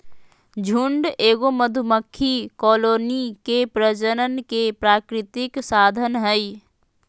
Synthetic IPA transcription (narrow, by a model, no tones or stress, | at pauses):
d͡ʒʱuɳɖeːɡoməd̪ʱuməkʰːikɔlonikepɾəd͡ʒəɾənkepɾakɾɪt̪iksad̪ʱənɦəj